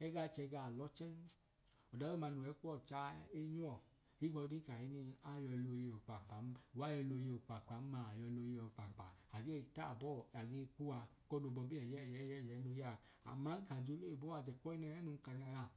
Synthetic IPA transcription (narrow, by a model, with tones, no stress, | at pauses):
ɛ˦ɡa˧t͡ʃɛ˧ɡa˧˨lɔ˦t͡ʃɛ˦n | ɔ˨da˨˦e˦ma˧nu˨ɛ˨˦ku˦ɔ˦˨t͡ʃa˨˦e˧ɲ˦ɔ˦˨ | i˦ɡɔ˧di˦ka˨i˧˦ni˧a˦˨jɔ˧lo˧je˧o˨k͡pa˨k͡pa˨˦˨a˦jɛ˧lo˧je˧o˨k͡pa˨k͡pa˨˦ma˨jɔ˧lo˧je˧ɔ˨k͡pa˨k͡pa˨a˨ɡe˦˨ta˦˨bɔ˦˨a˨ɡe˧˦˧ku˦a˧kɔ˦do˧˨bɔ˧bi˦ɛ˨jɛ˦˨jɛ˨˦˨jɛ˦˨jɛ˨˦no˧ja˦˨ | a̰˨ma˨˦n˦ka˨d͡ʒo˧˦le˦˨bo˦a˧˨d͡ʒɛ˨kɔ˦i˦nɛ˧ɛ˦nu˧n˦ka˧ɡa˧ja˨